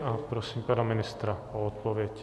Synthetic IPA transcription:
apɾosiːmpanamɪnɪst̪ɾaoot̪̚povjɛc

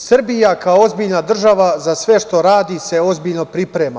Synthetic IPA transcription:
srbijakaoo̞zbiːʎnad̪r̩ʒaʋazasʋe̞ʃt̪o̞ɾaːd̪ise̞o̞zbiːʎno̞pɾipɾeːma

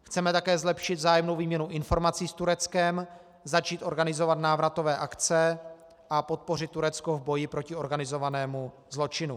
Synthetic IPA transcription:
xt͡sɛmɛt̪akɛːzlɛpʃɪd̪zaːjɛmnowviːmɲɛnuʔɪnfo̞ɾmat͡siːst̪uɾɛt͡skɛm | zat͡ʃiːt̪ʔo̞ɾɡanɪzo̞vat̪naːvɾat̪o̞vɛːʔakt͡sɛ | ʔapo̞t̪̚po̞r̝ɪt̪̚ːuɾɛt͡skovbo̞jɪpɾo̞cɪo̞ɾɡanɪzo̞vanɛːmu | zlo̞t͡ʃɪnu

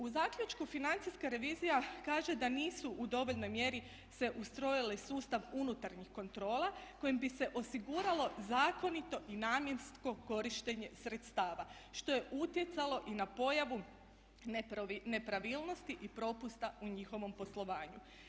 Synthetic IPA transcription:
uzaːkʎʲut͡ʃkufinant̪siskaɾe̞ʋiːzijakaːʒe̞d̪aniːsuʔud̪o̞ʋo̞ʎno̞jmje̞ɾi | se̞ʔust̪ɾo̞jilesuːst̪aʋunut̪aɾɲixko̞nt̪ɾo̞ːlˠako̞jimbise̞ʔo̞siɡuɾalo̞zaːko̞nit̪o̞ʔinaːmje̞nst̪ko̞ko̞ɾiʃt̪e̞ɲe̞sɾe̞t̪st̪aːʋaʃt̪o̞je̞ʔut̪je̞t̪salo̞ʔinapo̞jaʋu | nepɾaʋiːlˠno̞st̪iʔipɾo̞pust̪auɲixo̞ʋo̞mpo̞slˠo̞ʋaːɲu

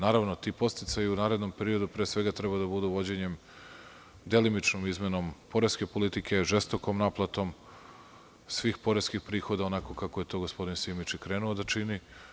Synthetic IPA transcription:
naːɾaʋno̞t̪iːpo̞st̪it̪sajuunaːɾe̞d̪no̞mpe̞ɾio̞d̪upɾe̞ːsʋe̞ɡat̪ɾebad̪abud̪uʋo̞d͡ʑeɲe̞m | d̪e̞limit͡ʃnomizme̞no̞mpo̞ɾeske̞po̞lit̪ikʰe̞ʒest̪o̞komnaplˠat̪o̞m | sʋiːxpo̞ɾeskixpɾiːxo̞d̪aonako̞kako̞je̞t̪o̞ɡospo̞d̪insimit͡ʃikɾe̞ːnuod̪at͡ʃini

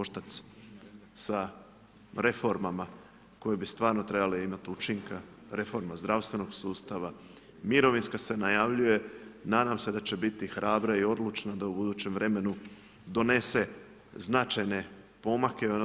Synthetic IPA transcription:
oʃt̪at̪s | sa | ɾe̞fo̞ɾmama | ko̞jebist̪vʋaːɾno̞t̪ɾe̞baleimat̪ut͡ʃiŋka | ɾefo̞ɾmazd̪ɾaʋst̪ʋe̞no̞ɡsuːst̪aʋa | miɾo̞ʋinskase̞najaʋʎuje̞nad̪amse̞d̪at͡ɕe̞bit̪ixɾʔaːbɾaio̞d̪lˠut͡ʃnad̪aubud̪uːt͡ɕe̞mʋɾe̞me̞nu | d̪o̞ne̞se̞ | znat͡ʃajne̞ | po̞makeon

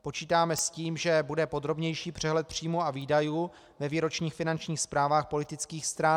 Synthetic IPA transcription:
po̞t͡ʃiːt̪aːmɛsciːmʒɛbudɛpo̞d̪ɾo̞bɲɛjʃiːpr̝̥ɛɦlɛt̪̚pr̝̥iːmuaviːdajuː | vɛviːɾo̞t͡ʃɲiːxfɪnant͡ʃɲiːxspɾaːvaːxpo̞lɪt̪ɪt͡skiːxst̪ɾa

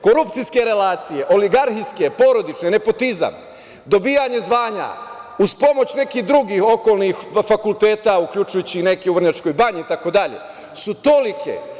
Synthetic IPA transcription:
ko̞ɾupt̪siske̞ɾe̞laːt̪sije̞ʔo̞liɡaɾxiske̞po̞ɾo̞d̪it͡ʃnene̞po̞t̪iza̰m | d̪o̞biːjaɲe̞zʋaːɲa̰uspo̞mo̞t͡ɕne̞kihd̪ɾuɡiːho̞ko̞ːlˠnixfakulˠt̪e̞ːt̪aukʎut͡ʃujut͡ɕine̞keuʋr̩ɲat͡ʃko̞jbaɲit̪ako̞d̪aʎe̞̰ | sut̪o̞likʰe̞̰

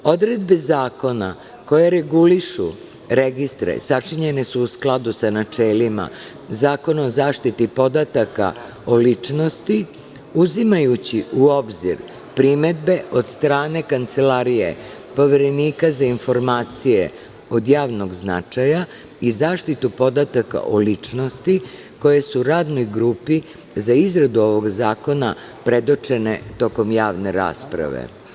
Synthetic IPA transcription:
o̞d̪ɾe̞d̪be̞zaːko̞na̰ | ko̞jeɾe̞ɡuliʃṵ | ɾeɡist̪ɾḛsat͡ʂiɲe̞nesuusklˠad̪usanat͡ʂeːlima̰ | zaːko̞naozaːʃt̪it̪ipo̞d̪at̪aka̰ | o̞lit͡ʂno̞st̪i | uzimajut͡ɕiuo̞bzḭɾ | pɾime̞d̪be̞ʔo̞d̪st̪ɾaːne̞kant̪se̞laːɾijḛ | po̞ʋeɾe̞niːkazainfo̞ɾmaːt̪sijḛ | o̞d̪jaːʋno̞ɡzna̰t͡ʂaja | izaːʃt̪it̪upo̞d̪at̪aka̰ʔolit͡ʂno̞st̪i | ko̞jesuɾaːd̪nojɡɾuːpi | zaizɾad̪uo̞ʋo̞ɡzaːko̞na | pɾe̞d̪ot͡ʂe̞ne̞̰t̪o̞ko̞mjaːʋne̞ɾa̰ːspɾa̰ʋḛ

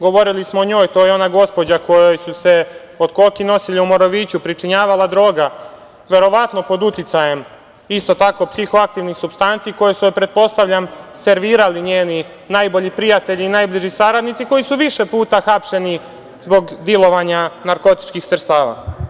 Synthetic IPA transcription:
ɡo̞ʋo̞ɾilismoːɲo̞ːjt̪ojeo̞naɡo̞spo̞d͡ʑako̞jojsuse̞ | od̪ko̞lkino̞siʎiumo̞ɾoʋit͡ɕupɾit͡ʃiɲaːʋalad̪ɾo̞ːɡa | ʋe̞ɾo̞ʋat̪no̞po̞d̪ut̪it̪saje̞m | ist̪o̞t̪akopsixo̞ak̚t̪iʋnixsubst̪ant̪siːko̞jesuepɾe̞d̪̚po̞st̪aʋʎamse̞ɾʋiːɾaliɲeːni | najbo̞ʎipɾijat̪e̞ʎiːnaːjbliʒisaɾad̪nit̪siko̞jisuʋiʃe̞puːt̪axapʃe̞ni | zbo̞ɡd̪jilˠo̞ʋaɲanaɾko̞t̪i̥t͡ʃkixsr̩st̪aːʋa̰

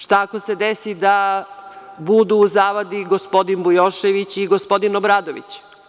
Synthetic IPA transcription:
ʃt̪akose̞d̪esid̪a | bud̪uːzaːʋad̪iɡospo̞d̪inbujoʃeʋit͡ɕiɡospo̞d̪inobɾaːd̪oʋḭt͡ɕ

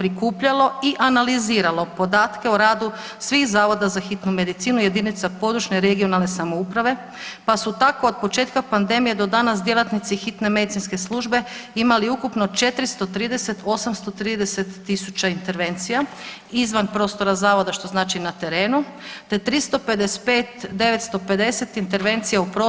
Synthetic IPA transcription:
pɾikuːpʎalo̞iʔanaliziːɾalo̞po̞d̪aːt̪ke̞oɾaːd̪u | sʋixzaːʋo̞d̪azaxit̪nume̞d̪it̪siːnuje̞d̪init̪sapo̞d̪ɾut͡ʃneɾe̞ɡio̞nalˠne̞samoupɾaʋe̞ | pasut̪ako̞od̪̚po̞t͡ʃe̞ːt̪kapand̪e̞mije̞d̪o̞d̪anasd̪je̞lˠat̪nit̪sixit̪ne̞me̞d̪it̪sinske̞slˠuʒbe̞imaliukupnot͡ʃe̞t̪ɾist̪o̞t̪ɾiːd̪ese̞t̪o̞samst̪o̞t̪ɾiːd̪eset̪ːisut͡ɕaint̪e̞ɾʋe̞nt̪sija | izʋanpɾo̞ːst̪o̞ɾazaːʋo̞d̪aʃt̪o̞znaːt͡ʃinat̪e̞ɾeːnu | t̪e̞t̪ɾist̪o̞ped̪espeːt̪d̪e̞ʋe̞t̪st̪o̞pe̞d̪e̞se̞t̪int̪e̞ɾʋe̞nt̪sijaupɾo

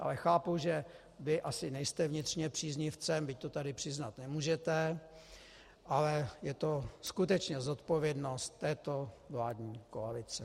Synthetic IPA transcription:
ʔa̰lɛxaːpuʒɛ | vɪʔasɪnɛjst̪ɛvɲɪt̪r̥ɲɛpr̥iːzɲɪft͡sɛmbɪc̚t̪o̞t̪adɪpr̝̥ɪznat̪nɛmuːʒɛt̪ɛ | ʔalɛjɛt̪oskut̪ɛt͡ʃɲɛzot̪po̞vjɛdno̞st̪ːɛːt̪o̞vlaːdɲiːkoalɪt͡sɛ

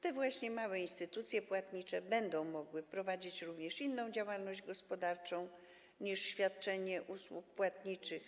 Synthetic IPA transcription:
t̪ɛvwaɕɲɛmawɛinst̪ɘt̪ut̪sʲjɛpwat̪ɲit͡ʂɛbɛnd̪ɔ̃w̃mɔɡwɘpɾɔvad͡ʑit͡ɕɾuvɲɛʂinːɔ̃w̃d͡ʑawalnɔʑd͡ʑɡɔspɔd̪aɾt͡ʂɔ̃w̃ | ɲiʂɕfʲjat̪̚t͡ʂɛɲɛʔuswuk̚pwat̪ɲit͡ʂɘx

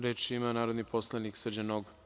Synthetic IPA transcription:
ɾet͡ʃimanaːɾod̪nipʰoslˠaniksrd͡ʑanoɡ

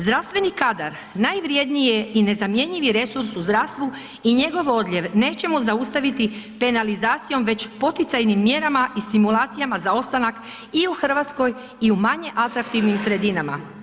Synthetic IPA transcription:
zd̪ɾast̪ʋe̞nikad̪aɾ | najʋɾje̞d̪nijeine̞zamje̞ɲiʋiɾe̞suɾsuzd̪ɾaːst̪ʋu | iɲe̞ɡo̞ʋo̞d̪ʎʲe̞ʋne̞ːt͡ɕe̞muzaust̪aʋit̪ipe̞nalizaːt̪sijo̞mʋe̞t͡ɕpo̞t̪it̪sajnimːje̞ɾamaʔist̪imulaːt̪sijamazao̞st̪anak | iuxr̩ʋat̪sko̞j | iumaɲe̞ʔat̪ɾak̚t̪iʋnimsɾe̞d̪inama̰

